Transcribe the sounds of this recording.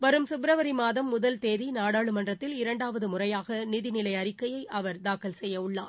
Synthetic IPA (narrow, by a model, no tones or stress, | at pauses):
ʋɐɾɯmsʊbɾɐʋɐɾimaːðɐmːʊðɐlt̪eːðinaːɽaːɭɯmɐndrɐt̪ːɪlɪɾɐɳɖaːʋɐðɯmʊrɐjaːɣɐnɪðɪnɪlɐɪɐɾɪkːɐjɐɪʔɐʋɐɾd̪aːkːɐlsɛjːɐʊɭːaː